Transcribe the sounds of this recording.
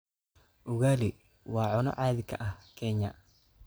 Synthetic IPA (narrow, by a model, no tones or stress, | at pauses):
ʔʊɣaːlɪ | wɑːʕʊnɔ̰ʕaːðɪkʰɐʔɐhkʰɛɲɐ̰